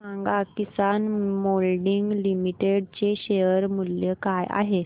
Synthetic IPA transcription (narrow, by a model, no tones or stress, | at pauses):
sãŋɡakisanmolɖiŋɡlimiʈeɽt͡ɕeɕejəɾmuljəkaja̰ɦe